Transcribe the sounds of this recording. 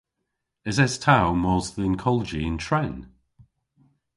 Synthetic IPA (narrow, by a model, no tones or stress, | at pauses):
ɪzɛstʰawmɔːzðɪnkʰɔləd͡ʒiɪ̃ntʰɹɛn